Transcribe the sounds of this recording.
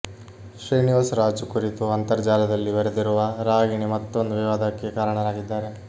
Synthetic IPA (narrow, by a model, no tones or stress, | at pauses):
ʃɾiːniʋasɾaːd͡ʒukuɾit̪uɐnt̪ɐɾd͡ʒaːlɐd̪ɐlːiʋɐɾed̪iɾuʋɐɾaːɡiɳimɐt̪ːond̪uʋiʋaːd̪ʱakːekaːɾɐɳɐɾaːɡid̪ːaːɾe̞